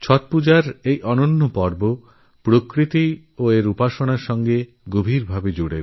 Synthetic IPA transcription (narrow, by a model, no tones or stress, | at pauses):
t͡ɕʰɔt̪̚pud͡ʑaɾejʔɔnonːopɔɾbo | pɾokɾit̪i | oeɾupaʃoɽ̃aɾʃɔŋɡe | ɡobʱiɾbʱabed͡ʑuɽeɾ